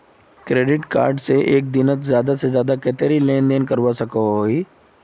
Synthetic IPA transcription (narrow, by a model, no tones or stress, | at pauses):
kɾeːɖɪʈka̰ːɾɖseʔeːk̚d̪ɪnət̪zjaːd̪asezjaːd̪akɛːt̪eɾileːnd̪eːnkəɾwasɐkooːiː